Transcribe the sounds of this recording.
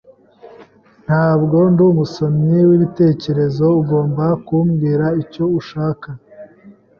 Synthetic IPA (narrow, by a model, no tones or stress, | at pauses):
n̥haːbɡo̞nduːmuso̞mɲiwiβite̞ːce̞ɾe̞zo̞uɡo̞ːmbakumɡiːɾaico̞uʃaːka